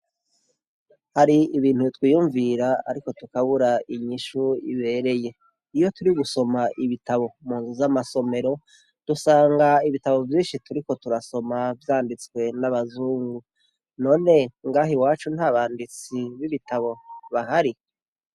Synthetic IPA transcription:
haɾiːβiːn̥hutwiːjuːɱviɾaa̰ɾiko̞tukaβuɾaiɲiʃuḭβe̞ːɾe̞je̞ | ijo̞tuɾiɡuso̞maʔiβitaβo̞muːnzuzamaso̞me̞ɾo̞ | d̥usaːŋɡaiβitaβo̞vjiːnʃituɾiko̞tuɾaso̞mavjaːndit͡skwe̞naβazuːŋɡu | no̞ːne̞ŋɡaːɦiwaːt͡ʃun̥haːβaːndit͡siβiβitaβo̞βaɦaɾi

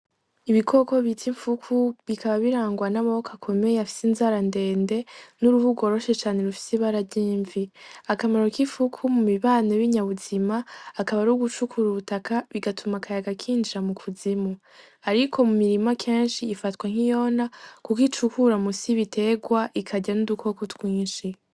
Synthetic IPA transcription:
iβikʰo̞ko̞βitʰiɱfukʰuβikaβaβiɾaːŋɡwanaβawokʰakʰo̞me̞jeafi̥sinzaɾande̞ːnde̞nuɾuvuɡo̞ːɾo̞ʃe̞t͡ʃaːne̞ɾufi̥siβaɾabɟiːɱviakamaɾo̞kiɱfukʰumumiβaːneβiɲaβuzimaːkaβaɾuɡut͡ʃukʰuɾuβutakʰaβiɡatʰumakʰajaɡakʰiːnd͡ʒiɾamukʰuzimu | aɾikʰo̞mumiɾimakʰe̞ːnʃiːfatwaŋ̥ijo̞nakukit͡ʃukuɾamusiβitʰe̞ɡwaʔikʰaɟanudukʰo̞kutwiːnʃi

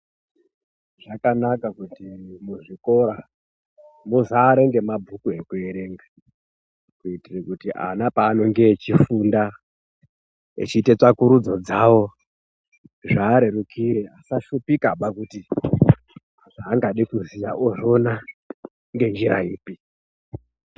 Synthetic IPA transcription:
ʐakanakakutimuʐiko̞ɾa | muzaːɾe̞ŋɡe̞mabʱukue̞kue̞ɾe̞ŋɡa | kuitirekutiʔa̰napaːno̞ŋɡe̞ːt͡ʃifunda | ḛt͡ʃitet͡sakuɾud͡zo̞d͡zawo̞ | ʐaːɾeɾukʰiɾeasaʃupikaɓakuti | aʐaːŋɡaɗikuzijaʔoʐo̞na | ŋɡe̞nd͡ʒiɾa̰iːpi

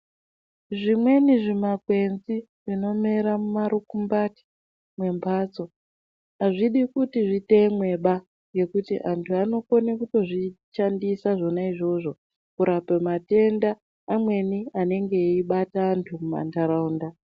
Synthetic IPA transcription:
ʐimwe̞niʐimakwe̞nzi | ʐ̥ino̞meɾamumaɾukumbati̥ | mwe̞mpʰat͡so̞ | aʐiɗikutiʐite̞mwe̞ɓa | ŋɡe̞kutiʔantʰuano̞konekuto̞ʐiʃandisaʐo̞naiʐo̞ʐo̞ | kuɾapemate̞ndaː | mwe̞niane̞ŋɡe̞iɓataːntʰumuma̰ntaɾauːnda

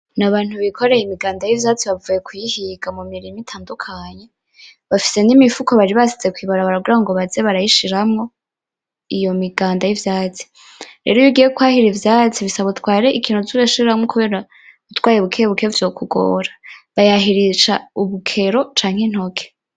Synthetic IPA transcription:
naβaːn̥huβikʰo̞ɾe̞jimiɡaːndajivjaːt͡siβavuje̞kwihiɡamumiɾimitʰaːndukʰaɲe̞ | βafi̥se̞nimifukoβaɾiβasit͡se̞kwiːβaɾaβaɾaɡiɾaŋɡo̞βazeβaɾajiʃiɾamŋo̞ | ijo̞miɡaːndajivjaːt͡si̥ | ɾḛːɾojuɡijekwaːhiɾivjaːt͡siβisaβatwaːɾeʔikiːnozuβeʃiɾɾamŋokuβe̞ːɾa | utwaːjeβukʰejeβukeɾovjo̞ːkuɡo̰ːɾḁβajaɦiɾiʃauβukʰe̞ɾo̞t͡ʃaːŋ̥en̥ho̞kʰe

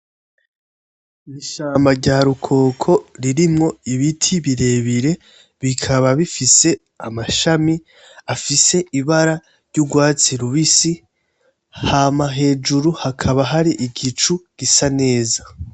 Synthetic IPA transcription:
iʃaːmbaɾɟaːɾukʰo̞ːkʰo̞ɾiɾimŋo̞iβitʰiβiɾe̞ːβiɾe̞ | βikʰaβaβifise̞ | a̰maʃami | afise̞ʔiβaɾa | ɾɟuɡwaːt͡siɾuβisi | hamaɦe̞ːd͡ʒuɾuhakʰaβaɦaɾiʔiɡit͡ʃuɡ̥isane̞ːza

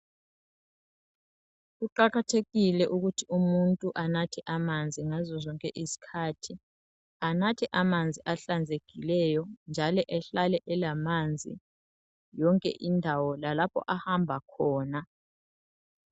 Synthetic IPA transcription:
ɣuǃaɣatʰeɣilɛʔuɣutʰiumuntʼuʔanatʰɛʔamand͡zʱiŋazɔzɔŋkʼɛʔisi̥kʰaːtʰi | anatʰɛʔamand͡zʱiʔaɬand͡zʱeɡ̥ʱilɛjɔnd͡ʒʱalɔʔɛɬalɛʔɛlamand͡zʱḭ | jɔŋkʼɛ̰ʔindʱawɔlalapʰɔ̰ʔahambʱakʰɔːna

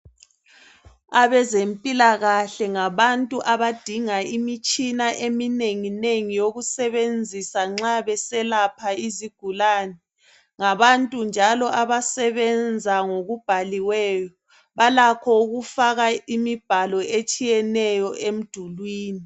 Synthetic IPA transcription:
aβɛzempʼilaɣaɬɛŋaβantʼuʔaβad̥ʱiŋaimit͡ʃʼinaʔemineŋineŋijoɣusɛβend͡zʱisaŋ͡ǁaβɛsɛlapʰaiziɡ̥ʱulaːnɛ | ŋaβantʼund͡ʒʱalɔʔaβasɛβɛnd͡zʱaŋoɣub̥ʱaliwɛːjɔ | βalakʰɔuɣufaɣaimib̥ʱalɔet͡ʃʼijɛnɛjɔʔem̩d̥ʱulwiːni

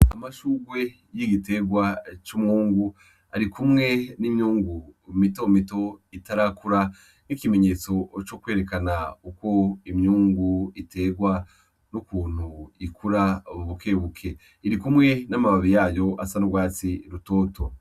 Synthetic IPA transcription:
a̰maʃuːɡwe̞ | jiɡite̞ɡwat͡ʃumŋuːŋɡu | aɾikumŋe̞nimɲuːŋɡumito̞mito̞itaɾakuɾa | nikime̞ɲe̞ːt͡so̞t͡ʃokwe̞ːɾe̞kanauko̞imɲuːŋɡuite̞ɡwa | nukuːn̥huikuɾaoβuβuke̞βukʰe̞ | iɾikumŋe̞namaβaβijaːjo̞asanuɡwaːt͡siɾuto̞ːto

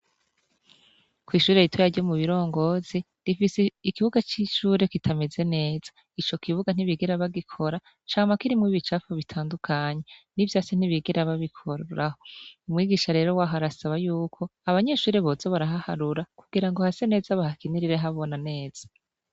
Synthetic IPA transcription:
kwiːʃuːɾe̞jitwejaɾɟomuβiɾo̞ːŋɡo̞zi | difiseikiβuɡat͡ʃiʃuːɾe̞kitʰame̞ze̞ne̞ːz̥ḁ | it͡ʃo̞kʰiβuɡan̥iβiɡeɾaβaɡikʰo̞ɾa | t͡ʃaːŋamakiɾimŋiβit͡ʃafoβitʰaːndukʰaːɲe̞nivjaːsen̥iβiɡeɾaβaβikʰoɾɾaho̞umŋiːɡiːʃaɾe̞ːɾo̞waːɦaɾasaβajuːkʰo̞aβaɲe̞ʃuːɾe̞βozoβaɾaɦahaɾuɾakuɡiɾaŋɡo̞hase̞ne̞ːzaβahakiniɾiɾeɦaβo̞nane̞ːz̥a

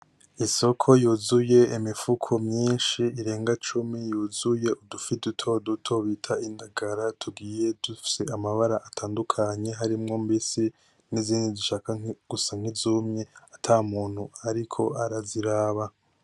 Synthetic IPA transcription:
iso̞kʰo̞juzuje̞imifukʰo̞mɲiːnʃiiɾe̞ːŋɡat͡ʃumijuːzuje̞udufidutʰo̞dutʰo̞βiːtʰaindaɡaɾatʰuɡiːje̞dufi̥se̞amaβaɾaʔatʰaːndukʰaɲe̞ɦaɾimŋo̞mbisi | niziːndiziʃakaɡ̥usaŋ̥izumɲe̞atʰamuːn̥huaɾikʰo̞aɾaziɾaːβa

